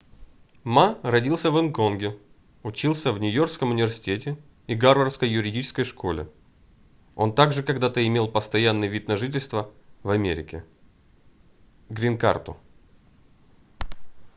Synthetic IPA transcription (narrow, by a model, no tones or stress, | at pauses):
marɐdʲilˠsʲəvɨnko̞nɡʲɪ | ʊt͡ɕilˠsʲəvnʲʊjo̞rkskəmʊnʲɪvʲɪrsʲɪ̥tʲetʲɪ | iɡarvərskəjːʊɾʲɪdʲit͡ɕɪ̥skəjʂkʰo̞lʲɪ̰ | o̞̰nt̪aɡʐɨkɐɡd̪at̪əɪmʲe̞lˠpəst̪ɐjanːɨjvʲit̪nɐʐɨtʲɪlʲst̪vəvɐmʲeɾʲɪ̰kʲɪ̰ | ɡɾʲɪnka̰rt̪ʊ̰